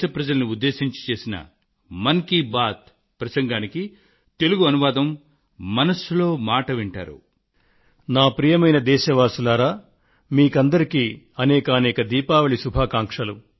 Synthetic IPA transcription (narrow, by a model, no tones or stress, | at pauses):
ɐpɾɐd͡ʒɐlɐniud̪ːe̞ːʃiɲt͡ʃi̥t͡ʃe̞ːsinɐ̰ | mɐŋkibaːt̪̚ | pɾɐsɐŋɡaːniki | t̪e̞luɡuɐnuʋaːd̪ɐmː | ɐnɐsulo̞ːmaːʈɐʋiɳʈa̰ːɾṵ | naːpɾijɐmɐjnɐd̪ɛːʃɐʋaːsulaːɾaː | miːkɐnd̪ɐɾikiː | ɐnɛːkɐːnɛːkɐd̪iːpaːʋɐɭisubʱaːkaːŋkʂɐlu